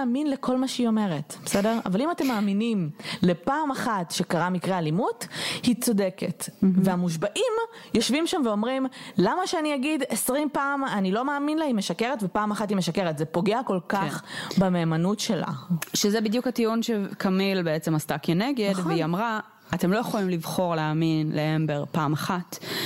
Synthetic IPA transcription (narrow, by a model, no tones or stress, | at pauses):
minlekʰo̞lmaʃeio̞me̞ʁetb̥esedeʁa̰valimate̞mːaːminimle̞paːmaχatʃekaʁamikʁealimuthit͡so̞deketveamuʃ̬baʔim | jo̞ʃvimʃamveo̞mʁimlamaʃeanijaɡidesʁimpaːmanilo̞maːminlaimeʃakeʁetvepaːmaχatimeʃake̞ʁetzepo̞ɡeako̞lkaχbameːmanutʃe̞la̰ʃezebid̪jukatiunʃekʰamilbeet͡semastakeneɡedveiamʁa | atemlo̞jeχolimlivχo̞ʁleaminleembeʁpaːmaχat